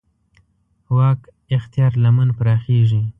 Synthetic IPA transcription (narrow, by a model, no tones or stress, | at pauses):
wɑk | ɪxt̪jɑɾlamənpɾɑxeʐi